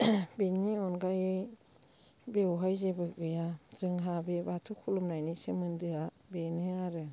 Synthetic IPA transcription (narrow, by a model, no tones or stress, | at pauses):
beniɔnɡaje | bewɦajzebɯɡɯjazɯŋɦabebatʰukʰulumnajnisɯmɯndɯa | benɯaɾɯ